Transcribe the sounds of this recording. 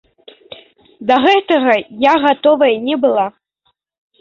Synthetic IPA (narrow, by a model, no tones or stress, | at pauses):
d̪ɐɣɛt̪ɐɣɐjaɣat̪ɔvɐjnʲɛbɨlˠa